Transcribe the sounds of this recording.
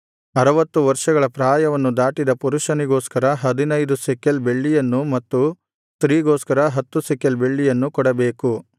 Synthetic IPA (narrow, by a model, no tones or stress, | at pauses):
ɐɾɐʋɐt̪ːuʋɐɾʂɐɡɐɭɐpɾaːjɐʋɐnːud̪aːʈid̪ɐpuɾuʂɐniɡoːskɐɾɐɦɐd̪inɐjd̪usɛkelbe̞ɭːijɐnːumɐt̪ːu | st̪ɾiːɡoːskɐɾɐɦɐt̪ːusɛkelbeɭːijɐnːukɔɽɐbe̞ːku